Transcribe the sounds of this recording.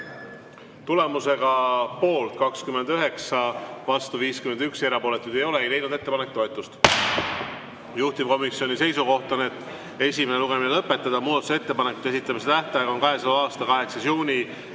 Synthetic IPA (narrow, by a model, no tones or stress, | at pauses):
t̪ule̞muse̞ɡ̥ɑpo̞ːlt̪kɑkskymend̪yɦe̞ksɑvɑst̪uviːskyme̞nd̪ykseɾɑpo̞le̞t̪ːˑud̪e̞jo̞leejle̞jnud̪e̞t̪ːepɑnek̚t̪o̞et̪ˑːust̪ | juht̪ip̚ko̞misjo̞nʲise̞jsuko̞ht̪ɑnet̪ːˑ | e̞sʲimeneluɡ̥e̞minelɤpːˑe̞t̪ːˑɑd̪̥ɑmuːd̪ɑt̪useet̪ːe̞pɑnekːˑu̥t̪ːˑesit̪ːˑɑmise̞t̪æht̪ɑjɑɡɑonkɑɦe̞sɑlɑɑːst̪ɑkɑɦe̞ksɑsjuːnʲi